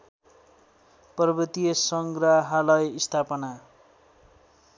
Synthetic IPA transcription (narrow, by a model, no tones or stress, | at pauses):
pʌrbit̪ijesʌŋɡraɦalʌjist̪ʰapʌna